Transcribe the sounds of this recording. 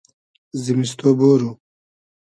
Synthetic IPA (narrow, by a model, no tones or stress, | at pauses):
zimist̪oboːɾu